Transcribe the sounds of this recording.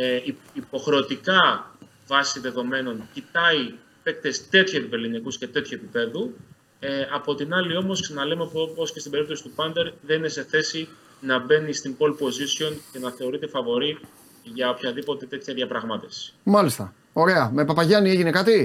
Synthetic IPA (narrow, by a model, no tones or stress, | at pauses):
eiipo̞xɾeot̪ikɐ | vɐsiðe̞ðo̞me̞no̞ncit̪ɐi | pe̞k̚t̪e̞st̪e̞t̪çuepiveɾlinikusce̞t̪e̞t̪çue̞pipe̞ðu | eɐpo̞t̪inɐlio̞mo̞sksɐnɐle̞mepopo̞scest̪ibe̞ɾip̚t̪o̞si̥t̪upɐnd̪e̞ɾðe̞nine̞se̞θe̞si | nɐbe̞nist̪imbo̞lpo̞zisio̞nce̞nɐθe̞o̞ɾit̪e̞fɐvo̞ɾi | ʝɐo̞pçɐðipo̞t̪e̞t̪e̞t̪çɐðʝɐpɾɐɣmɐt̪efsi̥mɐlist̪ɐ | o̞ɾe̞ɐmepɐpɐʝɐnie̞ʝine̞kɐt̪i